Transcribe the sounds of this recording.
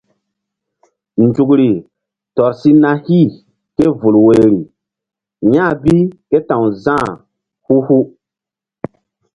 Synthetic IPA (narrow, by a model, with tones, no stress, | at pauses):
n˨d͡ʒu˨kɾi˨ | tɔ˨ɾsi˦nã˦hi˦˨ | ke˦vu˨lwe˨ɾi˨ | ɲã˦˨bi˦ke˦tã˨wzãː˦˨ | hu˦hu˦